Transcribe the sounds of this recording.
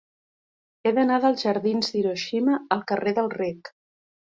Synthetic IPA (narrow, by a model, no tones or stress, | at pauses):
eðənaðəlˠzʒəɾðinzd̪iɾoʃiməəlˠkəreðəlˠrek